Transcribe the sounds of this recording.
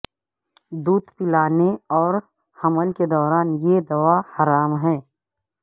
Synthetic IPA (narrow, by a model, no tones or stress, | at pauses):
d̪uːd̪pɪlaːneɔːɾ | hɐməlked̪ɔːɾaːnjed̪ɐʋahɐɾaːmɦɛ̃ː